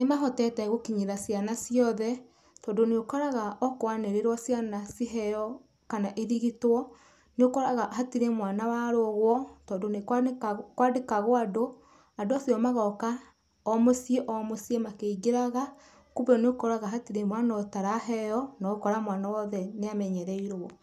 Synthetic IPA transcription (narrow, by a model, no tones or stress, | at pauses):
nemaɦɔtɛtɛɣokiɲeɾasjanasijɔðɛ | tɔːndoneokɔɾaɣaʔɔkwaneɾeɾwɔsjanasiɦɛjɔ | kanaʔeðiɣitwɔ | neokɔɾaɣahatiɾemwanawaɾoɣwɔtɔːndonekkwadekaɣoado | adoasjɔmaɣɔka | ɔmosieʔɔmosiemakeiɡeɾaɣa | kuβɛneokɔɾaɣaɦatiɾemwanɔtaɾaɦɛjɔnaokɔɾamwanawɔðɛneamɛɲɛɾɛiɾɔ